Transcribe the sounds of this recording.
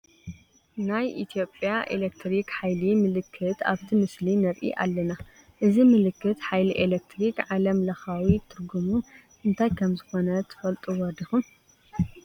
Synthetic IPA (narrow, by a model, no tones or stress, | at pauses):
najʔit̪ʰjo̞pʼjaʔelekt̪ʰɾikħajlimɨlɨkʰːɨt̪a̰βt̪ʰimɨslinɐɾʔḭʔa̰lːɐna | ʔɨzimɨlɨkːɨt̪ħajliʔelek̚t̪ʰɾikʕalɐmlɐxawit̪ʰɨɾɡumu | ʔɨnt̪ʰajkʰɐmzɨxo̞nɐt̪ʰɨ̥fɐlt̪ʼuwɔɾd̪ixum